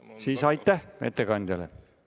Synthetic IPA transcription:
siːsɑjt̪ːˑæhmḛt̪ːekɑnd̪ʲɑlḛ

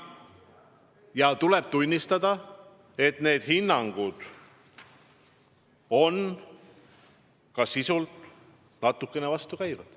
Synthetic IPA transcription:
jɑt̪uleb̥̚t̪unʲːist̪ɑd̪ɑ | e̞t̪ne̞ːd̪̥hinːɑŋɡ̥ud̪̥ | o̞n | kɑsisult̪ | nɑt̪ːˑukːˑe̞ne̞vɑst̪ukæjvɑd̪̥

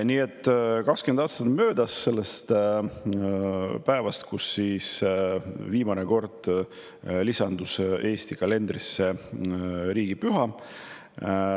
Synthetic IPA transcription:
niːe̞t̪ːˑkɑkskymend̪ɑːst̪ɑt̪ːˑmø̞ːd̪̥ɑsːe̞lːest̪ | pæevɑst̪kusːiːs | viːmɑneko̞rd̪̥ | lisɑnd̪̥use̞ːst̪ikɑle̞nd̪risːe | ɾiːɡ̥ipyɦɑ

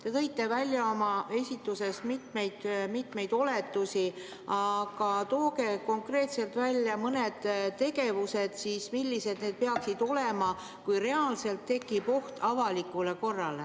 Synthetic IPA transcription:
t̪e̞t̪ɤ̞jt̪ːe̞vælʲjɑo̞mɑe̞sʲit̪ːˑuse̞smit̪me̞jd̪mit̪me̞jd̪o̞le̞t̪ːusʲi | ɑɡ̥ɑt̪o̞ːke̞ko̞ŋkre̞ːt̪se̞lt̪vælʲːjɑmɤne̞d̪̥t̪ːe̞ɡe̞vuse̞d̪̥sismilʲːise̞d̪̥̚neːd̪̚pe̞ɑksid̪o̞le̞mɑ | kujre̞ɑlse̞lt̪ːe̞kˑːipo̞ht̪ɑvɑlikːˑule̞ko̞rːɑle̞

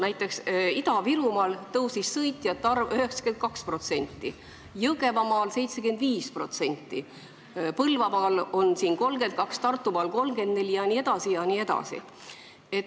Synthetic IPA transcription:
næjt̪ːˑe̞ksid̪ɑviɾumɑːlt̪ɤwsisːɤjt̪ʲːˑjɑt̪ːɑrvøhe̞ksɑ̥ke̞nt̪̚kɑkspro̞t̪se̞nʲt̪ːˑi | jɤɡe̞vɑmɑːlse̞jt̪sekɡend̪viːspro̞t̪se̞nʲt̪ːˑi | pɤlvɑmɑːlo̞nsiːnko̞lɡ̥e̞nt̪̚kɑkst̪ɑrt̪ːˑumɑːlko̞lmɡ̥end̪̚ne̞lʲijɑnie̞d̪̥ɑsijɑnie̞d̪ɑ̰sḭ | et

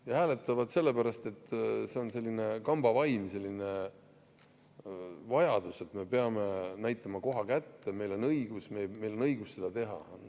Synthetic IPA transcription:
jɑhæːle̞t̪ːˑɑvɑd̪̥se̞lːe̞pæɾɑst̪e̞t̪ːse̞o̞nse̞lʲːine̞kɑmb̥ɑvɑjmse̞lːine̞ | vɑjɑd̪̥use̞t̪me̞pe̞ɑme̞næjt̪ːˑɑmɑko̞ɦɑkæt̪ːeme̞jlo̞nɤjɡ̥usmeme̞jlo̞nɤjɡ̥ustsed̪̥ɑt̪e̞ɦɑ̰

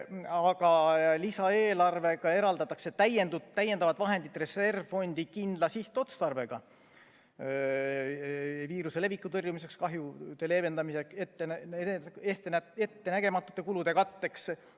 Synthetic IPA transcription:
ɑɡɑlisɑe̞ːlɑrve̞ɡ̥ɑe̞ɾɑld̪ɑt̪ːˑɑkse̞t̪ːæjend̪uæjːe̞nd̪ɑvɑd̪vɑɦe̞nd̪̥it̪re̞se̞rvfo̞nʲd̪̥ikind̪lɑsiht̪o̞t̪st̪ɑrve̞ɡ̥ɑ | viːɾuse̞le̞vikːˑut̪ɤrjumis̬e̞kskɑɦjut̪e̞le̞ːve̞nd̪ɑmiseket̪ːˑen | et̪enæet̪ːe̞næɡ̥e̞mɑt̪ːˑu̥t̪ːˑe̞kulud̪̥e̞kɑt̪ːe̞ks

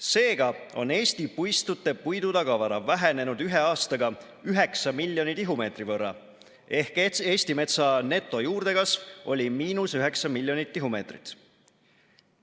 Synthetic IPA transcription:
se̞ːɡ̥ɑo̞̰ne̞ːst̪ipujst̪ut̪ːe̞pujd̪ud̪ɑɡɑvɑɾɑvæɦene̞nud̪yɦe̞ɑːst̪ɑɡɑ | yɦe̞ksɑmilʲːjo̞nit̪iɦume̞ːt̪rivɤrːɑ̰ | ehke̞ːst̪ime̞t̪sɑne̞t̪ːˑo̞juːrd̪e̞kɑsvo̞lʲimiːnusyɦe̞ksɑmilʲjo̞nit̪ːiɦume̞ːt̪rit̪

